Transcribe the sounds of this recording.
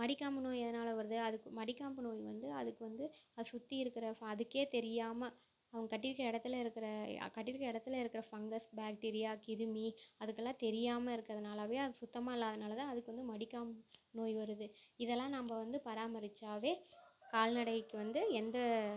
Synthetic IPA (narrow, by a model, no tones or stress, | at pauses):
mɐɽɪkːaːmbɯnoːjɐðɐnaːlɐʋɐɾɯðɯɐðɯkːɯmɐɽɪkːaːmbɯnoːjʋɐ̰nd̪ɯɐðɯkːɯʋɐnd̪ɯɐðɯsʊt̪ːiɪɾɯkːɪɾɐɐðɯkːeːt̪ɛɾɪjaːmɐ | ɐʋɐŋɡɐkɐʈːɪɾɯkːɪɾɐɪɽɐt̪ːɯlɐɪɾɯkːɪɾɐ̰kɐʈːɪɾɯkːɪɾɐɪɽɐt̪ːɯlɐɪɾɯkːɪɾɐfɐŋɡɐsbaːk̚ʈeːɾɪjaːkɪɾɯmiɐðɯk̬ːɛlːãːt̪ɛɾɪjaːmɐɪɾɯkːɐðɐnaːlɐʋeːɐðɯsʊt̪ːɐmaːɪlːaːɐðɐnaːlɐt̪ãːɐðɯkːɯʋɐnd̪ɯmɐɽɪkːaːmbnoːjʋɐɾɯðɯɪðɛlːãːnɐmɐʋɐnd̪ɯpɐɾaːmɐɾɪt͡ʃːaːʋeːkaːlnɐɽɐjkːɯʋɐnd̪ɯɛnd̪ɐ